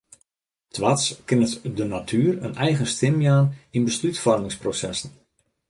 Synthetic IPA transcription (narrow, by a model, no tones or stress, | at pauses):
tʰʋatskɪnətdənatʰyərənɛjɣənstɪmjaːninbəslytfɔrmɪŋsprosɛsən